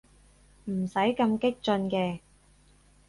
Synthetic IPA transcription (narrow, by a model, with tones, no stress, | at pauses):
m̩˨˩sɐ˨˥jkɐ˧mkɪ˥k̚t͡ʃɵ˧nkɛː˧